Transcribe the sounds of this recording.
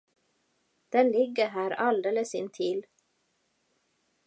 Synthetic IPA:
d̪̥ɛnlɪɡːəɦæːɾald̪eːləsɪnt̪ʰil

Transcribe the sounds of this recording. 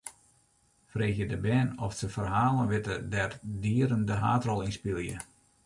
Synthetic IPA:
freːxjədəbɛːnɔfsəfərɦaːlˠənʋɪtədɛrdiəɾəndəɦaːtrɔlˠinspilˠjə̰

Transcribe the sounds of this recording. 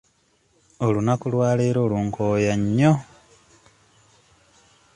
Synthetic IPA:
o̞lunakulwaːleːɾo̞ːluːŋkʰoːjaɲːo

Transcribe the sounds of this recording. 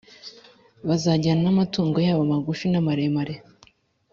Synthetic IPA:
βazaɟananamatuːŋɡojaːβamaɡufinamaɾemaɾe

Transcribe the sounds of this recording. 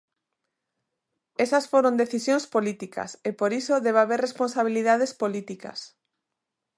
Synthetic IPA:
esɐsfoɾõnd̪eθisjõnspolit̪ikʰa̰sepoɾisoðeβaβeɾrespõnsaβ̞iliðað̞espolit̪ikɐ̰s

